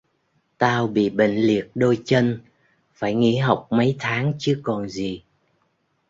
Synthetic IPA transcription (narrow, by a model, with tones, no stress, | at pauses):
t̪aː˧wɓḭ˧˨ɓḭ˧˨ŋ̟li˨˩ək̚ɗo˧jt͡ɕə˧n | faː˧˩jŋḭ˧˥ɦa˨˩wk͡p̚mə˨˦jt̪ʰaː˨˦ŋt͡ɕɨ˨˦kɔ˨˩nzi˨˩